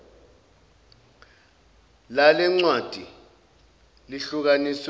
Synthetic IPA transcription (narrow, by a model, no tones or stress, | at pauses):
lalɛŋ͡ǀwad̥ʱi | liɬuk̬anis